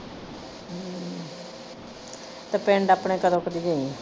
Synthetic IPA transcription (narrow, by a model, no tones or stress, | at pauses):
t̪epɛ̃ːɳɖaːpɳẽːkəd̪õːkd̪iːɡei